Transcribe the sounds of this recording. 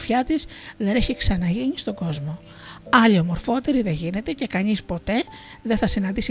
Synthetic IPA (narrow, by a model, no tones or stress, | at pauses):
fçɐt̪isðe̞neçiksɐnɐʝiɲist̪o̞ɡo̞zmo̞ | ɐʎio̞mo̞ɾfo̞t̪e̞ɾiðe̞ʝine̞t̪e̞ce̞kɐɲispo̞t̪e̞ | ðe̞θɐsinɐnd̪isi